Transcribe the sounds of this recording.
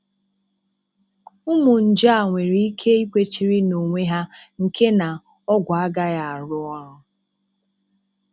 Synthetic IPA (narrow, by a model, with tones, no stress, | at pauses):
ʊ˦mʊ˨n̩˨d͡ʒa˦a˨ŋʷe˨ɾi˦i˦kʰe˦i˦kʷe˦t͡ʃi˨ɾi˦no˨ŋʷe˦ɦa˦ŋ̩˨kʰe˦na˨ | ɔ˦ɡʷa˨a˦ɡa˦ja˦a˨ɾʊ˦ɔ˦ʊ˦